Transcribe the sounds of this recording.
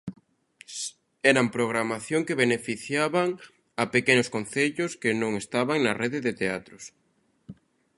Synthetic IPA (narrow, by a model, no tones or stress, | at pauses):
ɛɾampɾoɣɾamaθjoŋkeβenefiθjaβaŋ | apekenʊskon̟θeʎʊskɪnõŋest̪aβaŋnɐreðeðet̪eat̪ɾʊs